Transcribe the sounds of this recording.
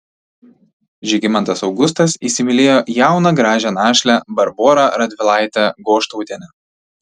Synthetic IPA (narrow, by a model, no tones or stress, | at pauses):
ʒʲɪɡʲɪmɐnt̪ɐsɒʊɡʊst̪ɐsiːsʲɪmʲɪlʲeːjoːjæˑʊnɐɡɾɑːʒʲɛnɑːʃʲlʲæbɐɾboːɾɑɾɐd̪ʲʋʲɪlˠɑˑɪt̪ʲɛɡoːʃt̪uʊt̪ʲeɛnʲɛ